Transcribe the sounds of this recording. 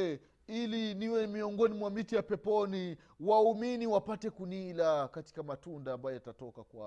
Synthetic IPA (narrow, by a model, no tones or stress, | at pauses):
iliniwɛmiɔŋɡɔnimwamitijapɛpɔni | wauminiwapatɛkunilakati̥kamatundaːmbajɔjatatɔkakwa